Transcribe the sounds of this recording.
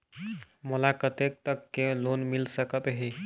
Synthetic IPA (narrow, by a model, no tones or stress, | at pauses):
məlakət̪ek̚t̪əkːelonmilsəkət̪ɦe